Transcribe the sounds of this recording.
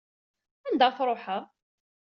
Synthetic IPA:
ænd̪æfɾˤoħa

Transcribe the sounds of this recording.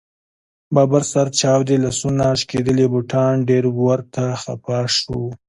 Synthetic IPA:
bɑːbaɾsaɾt͡ʃɑːwd̪elasunaʃked̪əlebʊʈʰɑnɖeɾɡwaɾt̪ʰaxa̰pɑʂu

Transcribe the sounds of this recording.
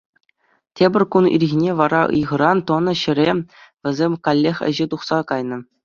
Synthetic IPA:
tʲebʲɘ̆rʲkunḭrʲɣʲinʲeʋɑɾɑʔɯ̰jʁɤ̆ɾɑnt̪ŏnɤ̆ɕɘ̆ɾʲeʋʲɘ̆zʲemʲkɑlʲːexʲɘ̰̆ʑet̪uχsɑkɑjnɤ̆

